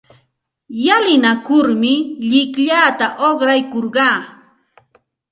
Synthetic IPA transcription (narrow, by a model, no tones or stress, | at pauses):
jalɪnakʊɾmɪʎɪkʎaːt̪aʔoχɾajkoɾɢɑː